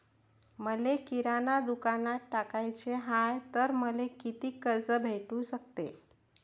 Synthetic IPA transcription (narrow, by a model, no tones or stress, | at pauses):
məlekiɾanad̪ukanatʈakajt͡ɕeɦajt̪əɾməlekit̪iːkəɾd͡zəbʱeʈũsək̚t̪e